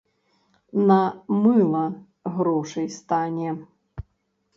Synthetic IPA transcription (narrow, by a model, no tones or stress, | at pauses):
nɐmɨlˠɐ | ɣɾɔʂɐjst̪anʲɛ